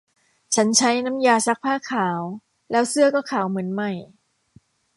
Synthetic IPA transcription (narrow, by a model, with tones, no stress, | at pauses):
t͡ɕʰa˦˥nt͡ɕʰa˦˥jna˦˥mjaː˧sa˦˥k̚pʰaː˥˩kʰaː˩˦w | lɛː˦˥wsɯ˥˩ɐkɔː˥˩kʰaː˩˦wmɯ˩˦ənma˧˥˩j